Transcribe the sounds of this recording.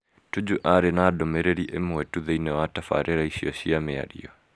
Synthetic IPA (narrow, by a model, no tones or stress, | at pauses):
tud͡ʒuʔaɾɛnadɔmɛɾɛɾiʔɛmuwɛtuðɛinɛwatafa̰ɾʔɛɾaiʃiɔʃiamɛa̰ɾḭɔ